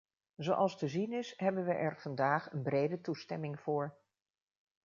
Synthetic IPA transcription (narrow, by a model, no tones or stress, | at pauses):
zowʔɑlˠstəzinɪsɦɛbənʋəʔɛɹv̥ɑndaːχənbrejdətustɛmɪŋv̥ʊːɹ